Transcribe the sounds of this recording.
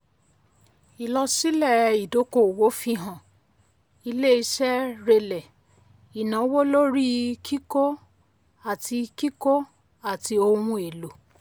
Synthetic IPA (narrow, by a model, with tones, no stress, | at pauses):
i˨lɔ˧si˦lɛ˦˨i˨do˨˦ko˦˨wo˨˦fi˧ɦã˨ | i˧le˦i˧ʃɛ˦ɾe˧lɛ˨ | i˨nã˨˦wo˦lo˦ɾi˦kʰi˦ko˦ | a˦˨tʰi˧ki˦ko˦ | a˦˨ti˧o˧ɾ̃ũ˧e˨lo˨